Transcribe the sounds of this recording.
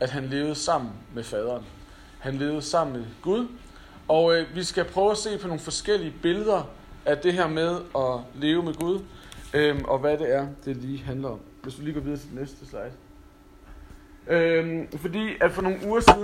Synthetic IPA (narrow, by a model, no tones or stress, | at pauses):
æd̥ɦænle̝ːʊð̞̩ˠsɑ̈m̰n̩mefɛːð̞ˠɐːn | hænle̝ːʊð̞̩ˠəsɑ̈m̰n̩meɡ̥uð̞ˠ | ɒ̽ʋisɡ̥æpʰʁœːʊæse̝̰ːpʰɒ̽no̝ːŋn̩fɒ̽sɡ̥el̰iəb̥e̝ləð̞ˠɐ | æd̥e̝ɦæɐmeð̞ˠɒ̽le̝ːʊəmeɡ̥uð̞ˠøʔɒ̽ʋæɾe̝æɐd̥e̝liːɦænlɐɒ̽m̰ʋe̝sd̥uliːɡ̥ɒʋiðˠɐt͡sʰe̝d̥enesd̥əslɑ̈ɪ̰d̥ | øfɒ̽dḭːæ̥fɒ̽no̝ːn̩uːɐsiðˠ